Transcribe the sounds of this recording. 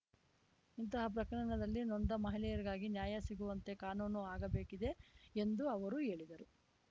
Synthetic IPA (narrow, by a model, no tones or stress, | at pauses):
int̪ɐɦɐp̬ɾɐkɐɽɐɳɐd̪ɐlːinond̪ɐmɐɦilɛjɐɾiɡaːɡinjaːjɐsiɡuʋɐnt̪e̞kaːnuːnuaːɡɐbeːkid̪e̞end̪uɐʋɐɾue̞ːɭid̪ɐɾu